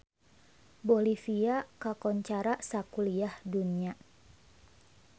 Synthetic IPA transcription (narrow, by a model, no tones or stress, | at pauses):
bolifiakakɔɲt͡ʃaɾasakuliahdunia